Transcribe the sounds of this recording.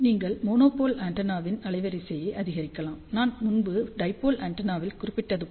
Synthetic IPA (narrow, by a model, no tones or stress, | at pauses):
niːŋɡɐɭmoːnoːpoːlaːɳʈɐnaːʋɪnɐlɐɪʋɐɾɪsɛjɐɪʔɐðɪɣɐɾɪkːɐlaːmnaːnmʊnbɯɖɐɪpːoːlʔaːɳʈɐnaːʋɪlkʊɾɪpːɪʈːɐðɯ